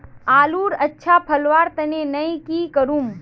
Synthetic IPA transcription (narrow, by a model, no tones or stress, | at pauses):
aːluːɾɐtːʃʰapʰɐlʋaːɾt̪ɐnenɐĩkikəɾuːm